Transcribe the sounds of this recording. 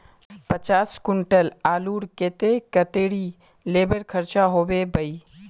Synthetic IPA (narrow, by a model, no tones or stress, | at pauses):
pət͡ʃaːskʊɳʈəlaːluːɾket̪ekət̪eːɽi | leːbəɾkʰəɾt͡ʃaɦoːbebəi